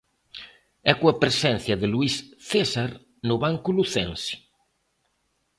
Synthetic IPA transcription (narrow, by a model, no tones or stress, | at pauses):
ɛkoɐpɾesɛn̟θjɐðɪluisθesaɾ | nʊβaŋkuluθɛnsi̥